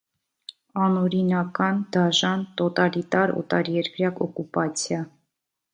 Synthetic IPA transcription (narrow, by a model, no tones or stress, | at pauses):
ɑnɔɾinɑkɑnd̪ɑʒɑnt̪ɔt̪ɑlit̪ɑɾɔ̰t̪ɑɾjɛɾkɾjɑkɔkupɑt͡sʰjɑ